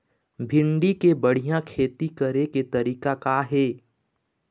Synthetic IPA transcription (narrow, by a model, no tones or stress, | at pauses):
bʱɪ̃ɳɖikebəɽ̤ijãkʰeːt̪ikəɾeket̪ɐɾiːkakaɦeː